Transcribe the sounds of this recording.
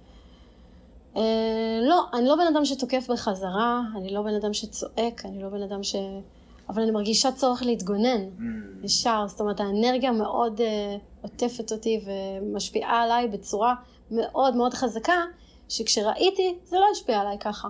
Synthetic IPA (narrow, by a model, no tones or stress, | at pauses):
elo̞ʔanilo̞be̞nadamʃ̬eto̞ke̞fbeχazaʁaːnilo̞be̞nadamʃet͡so̞ʔe̞kanilo̞be̞nadamʃe̞ | avalanimaʁɡiʃat͡so̞ʁeχlehitɡo̞ne̞neʃaʁstomeethaene̞ʁɡijame̞ʔo̞deote̞fe̞to̞tive̞maʃpiʔaːlajbe̞t͡suʁa | me̞ʔo̞dmeo̞dχazaka | ʃekʃeʁaʔitizelo̞jaʃpiaːlajkaχa